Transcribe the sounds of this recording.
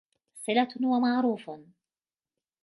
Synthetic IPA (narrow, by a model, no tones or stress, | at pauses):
sˤɪlat̪hʊwamaʕɾuːf